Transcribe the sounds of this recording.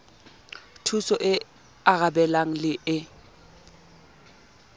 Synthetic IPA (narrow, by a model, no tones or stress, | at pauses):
tʰusɔʔɪ | aɣabɛlaŋ̩lɪʔɪ